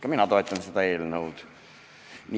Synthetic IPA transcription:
kɑminɑt̪o̞et̪ːˑɑnsed̪̥ɑe̞ːlnəwd̪̥ | ni

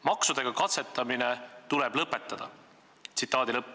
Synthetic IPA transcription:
mɑksud̪̥e̞ɡ̥ɑkɑt̪se̞t̪ːˑɑminet̪ulɛb̥lɤpːˑe̞t̪ːˑɑd̪̥ɑ̰ | t̪sit̪ːˑɑːd̪ilɤpːˑ

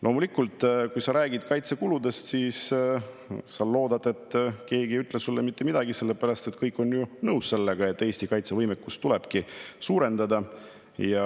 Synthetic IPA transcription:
lʔo̞ːmulikːult̪ˑkujsɑɾæːɡ̥id̪̥kɑjt̪se̞kulud̪e̞st̪siːs | sɑlo̞ːd̪̥ɑd̪e̞t̪ːke̞ːɡiyt̪ˑlesulːemit̪ːe̞mid̪̥ɑɡise̞lːe̞pæɾɑst̪e̞t̪kɤjkːˑo̞njunɤwsse̞lːeɡ̥ɑe̞t̪ːˑe̞ːst̪ikɑjt̪se̞vɤjmekːust̪ːule̞b̥kisuːɾe̞nd̪ɑd̪ɑ | jɑ

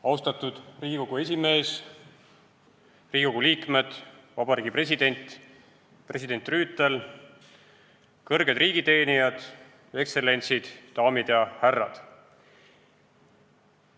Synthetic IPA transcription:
ɑwst̪ɑt̪ud̪̥riːɡ̥iko̞ɡ̥ue̞s̬ʲime̞ːs | riːɡʲiko̞ɡ̥uliːkme̞d̪̥vɑbɑɾiːɡ̥ipre̞s̬ʲid̪̥e̞nʲt̪ˑ | pre̞sʲid̪̥e̞nʲt̪ˑryːt̪ːˑel | kɤrɡ̥e̞d̪riːɡ̥it̪e̞ːnijɑd̪̥ | e̞kse̞le̞nʲt̪sid̪̥ːɑːmid̪̥jɑhærːɑ̰d̪̥

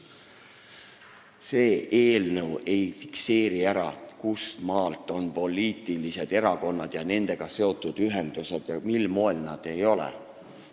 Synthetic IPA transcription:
se̞ːʔeːlnəwe̞jfikse̞ːɾiæɾɑkust̪mɑːlt̪ːˑo̞npo̞liːt̪ˑilise̞d̪̥e̞ɾɑko̞nːɑd̪̥jɑne̞nd̪̥e̞ɡ̥ɑse̞o̞t̪ːˑud̪̥yɦe̞nd̪̥use̞d̪̥jɑmilmo̞elnɑd̪̥e̞jo̞lḛ

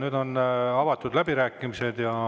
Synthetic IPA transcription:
nyːd̪̥o̞nɑvɑt̪ːud̪̥læbiɾæːkːˑimise̞d̪̥jɑ

